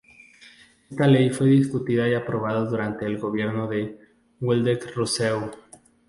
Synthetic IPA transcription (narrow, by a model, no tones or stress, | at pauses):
e̞st̪ale̞jfwe̞ðiskut̪iðaiapɾo̞β̞aðaðuɾant̪e̞ːlɣo̞βje̞ɾno̞ðe̞ | weld̪ekrusew